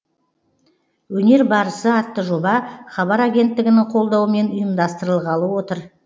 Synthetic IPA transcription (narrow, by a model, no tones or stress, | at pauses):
wɵne̞ɾbɑɾəsəɑt̪ːəʒo̞bɑχɑbɑɾaɡʲe̞nt̪ːɪɡʲɪnɪŋqʰo̞lˠd̪ɑwəme̞nʊjəmd̪ɑst̪əɾəlˠʁɑlˠəwo̞t̪əɾ